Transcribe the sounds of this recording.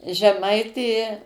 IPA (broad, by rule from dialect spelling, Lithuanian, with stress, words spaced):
ʒʲɛˈmɐɪtʲeː